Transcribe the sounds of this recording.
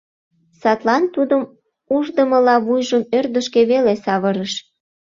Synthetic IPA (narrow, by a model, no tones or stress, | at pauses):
sɑt̪lɑnt̪ud̪əm | uʒd̪əməlɑβujʒəmørd̪əʃkeβelesɑβəɾəʃ